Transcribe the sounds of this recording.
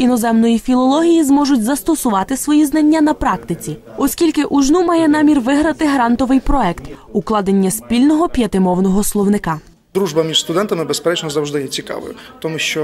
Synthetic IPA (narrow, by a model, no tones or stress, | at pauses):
inɔzɛmnɔjifʲilˠɔlˠɔɦʲijizmɔʒʊtʲzɐst̪ɔsʊʋɑt̪ɪsʋɔjiznɐnʲːanɐpɾɑkt̪ɪt͡sʲi | ɔsʲkʲilʲkɪʔuʒnumɑjɛnɑmʲirʋɪɦɾɐt̪ɪɦɾɑnt̪ɔʋɪjpɾɔɛkt̪uklˠɑd̪enʲːɐspʲilʲnɔɦɔpʲjɐt̪ɪmɔwnɔɦɔslˠɔwnɪkɑ | d̪ɾuʒbɐmʲiʃst̪ʊd̪ɛnt̪ɐmɪbespɾɛt͡ʃnɔzɐwʒd̪ɪjɛt͡sʲikɑ̰ʋɔ̰jʊt̪ɔmuʃt͡ʃɔ